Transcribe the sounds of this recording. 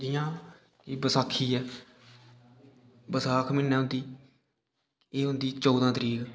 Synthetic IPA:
d͡ʒɪjãː | kiːbəsaːkʰːiːɛː | bəsaːkʰmɪnːɛ̃ːɦʊ̃nd̪iː | eːɦʊ̃nd̪iːt͡ʃɔːd̪ãːt̪əɾiːkː

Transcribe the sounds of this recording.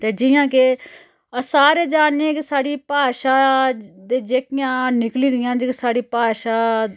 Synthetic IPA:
t̪eːd͡ʒɪjãːke | əsaːɾeːd͡ʒaːnːeɛ̃ːkɪsaːɽiːpaːʃaːd̪eːd͡ʒeːkɪjãːnɪkliːd̪ɪjãːd͡ʒksaːɽiːpaːʃaː

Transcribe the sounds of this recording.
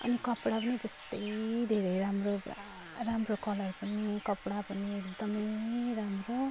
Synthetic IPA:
ʌ̰nikʌpɽapʌnit̪ʌst̪ʌjd̪ʱeɾʌjɾamro | ramrokʌlʌrupʌnikʌpɽapʌniekd̪ʌmʌjɾamro

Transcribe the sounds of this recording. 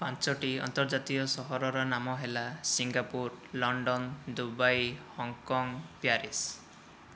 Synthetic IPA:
pant͡ʃɔʈiɔ̰nt̪ɔɾd͡ʒat̪ijɔsɔɦɔɾɔɾɔnamɔɦelasiŋɡapuɾlɔɳɖɔnd̪ubajhɔŋkɔŋpjaɾis

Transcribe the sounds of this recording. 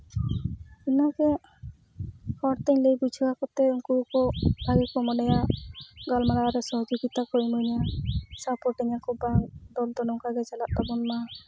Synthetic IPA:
inɔɡɛ | kɔɽt̪ɛɲlejbut͡ʃʰuwakɔt̪ɛuŋkɔkɔbʱaɡɛkɔmɔnɛjaʔɡɔlmalaɾɛsɔɦɔd͡ʒɔɡit̪akɔimuɲasapɔʈiɲakɔbaŋd̪ɔld̪ɔnɔŋkaɡɛt͡ʃalat̪̚t̪ɔbɔnma

